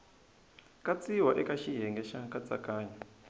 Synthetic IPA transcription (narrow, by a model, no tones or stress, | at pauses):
kat͡siwaʔɛkaʃiɦɛŋɡɛʃakat͡sa̰kaːɲa